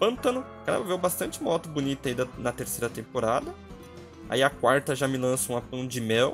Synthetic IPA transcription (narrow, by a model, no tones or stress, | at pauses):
pɐ̃nt̪ɐnʊ | kanɐ̰vewbast̪ɐ̃nt͡ʃɪmɔt̪ʊbunit̪ʊɐid̪ɐnɐt̪eɾsejɾɐt̪ẽmpoɾad̪ɐ | a̰iɐkwaɾt̪ɐʒamɪlɐ̃sɐũmɐpɐ̃w̃d͡ʒɪmɛw